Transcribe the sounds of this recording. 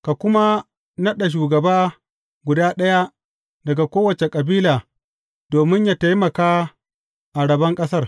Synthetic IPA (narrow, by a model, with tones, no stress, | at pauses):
ka˨kʷʊ˦ma˦ | nɐ˦ɗa˨ʃ̬uː˨ɡɐ˨baː˦ | ɡʷʊ˨daː˦ɗɐ˦ja˦ | dɐ˨ɡa˨kʷoː˦wɐ˨t͡ʃe˨kʼɐ˨biː˦laː˨ | doː˨mɪ˦ɲjaː˦ta˦jmɐ˨kaː˦ | ʔa˨ɽɐ˨bɐ˦ŋkʼɐ˦sɐ˦r